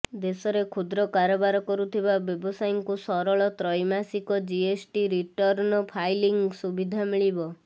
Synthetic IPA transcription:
d̪esɔɾekʰud̪ɾɔkaɾɔbaɾɔkɔɾut̪ʰibabjɔbɔsajɔŋkusɔɾɔɭɔt̪ɾɔjmasikɔd͡ʒiesʈiɾiʈɔɾnɔpʰajliŋɡsubid̪ʱamiɭibɔ

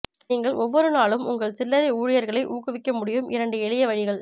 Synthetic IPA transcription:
niːŋɡɐɭʔɔʋːɔɾɯnaːɭɯmʊŋɡɐɭsɪlːɐɾɐuːɻɪjɐɾɣɐɭɐɪʔuːkɯʋɪkːɐmʊɽɪjɯmʔɪɾɐɳɖɯɛɭɪjɐʋɐɻɪɣɐɭ

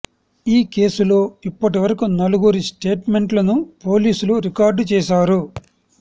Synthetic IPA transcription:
iːke̞ːsulo̞ːipːɐʈiʋɐɾɐkunɐluɡuɾisʈe̞ːʈme̞ɳʈlɐnupoːliːsuluɾikaːɾɖt͡ʃɛːʃaːɾu

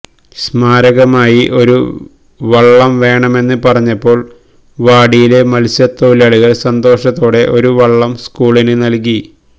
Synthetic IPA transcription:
smaːɾɐɣɐmaːjiʔo̞ɾṵ | ʋɐɭːɐmʋe̞ːɳɐme̞nːɨpɐrɐɲːɐpːo̞ːɭ | ʋaːɽijile̞mɐlsɐt̪ːoːlɐɭuɣɐɭsɐnd̪o̞ːʂɐt̪ːoːɽe̞ʔo̞ɾuʋɐɭːɐmskuːɭinɨnɐlk̬i

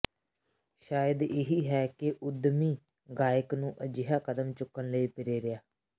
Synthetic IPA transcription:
ʃaːjəd̪ɪɦiːɦɛːkɪʔʊd̪miː | ɡaːjəknũːʔəd͡ʒɪɦaːkəd̪əmt͡ʃʊkːənləiːpɪɾeːɾɪjaː

